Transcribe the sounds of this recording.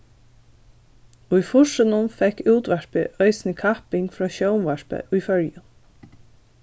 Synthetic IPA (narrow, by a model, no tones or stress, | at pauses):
ʊjfʊʃɪnʊnfɛkːuːt̪ʋæɹpɪʔœʏsnɪkʰɑpɪŋɡfɾɑːɕœʊmʋæɹpə̰ʔʊjfœljʊn